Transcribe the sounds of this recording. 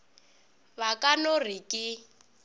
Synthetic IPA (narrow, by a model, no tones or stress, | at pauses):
βakʼanorikʼɪ